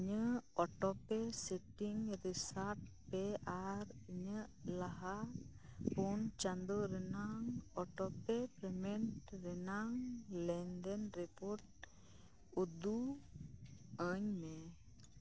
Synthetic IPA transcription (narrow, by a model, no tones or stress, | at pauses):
iɲəɔʈɔpɛsɛʈiŋɾisaʈ̚ | pɛaɾiɲəlaɦa | pɔnt͡ʃand̪ɔɾɛnaŋɔʈɔpɛpɾɛmɛɳʈɾɛnaŋlɛnd̪ɛnɾipɔɾʈ̚ | ud̪u | əɲmɛ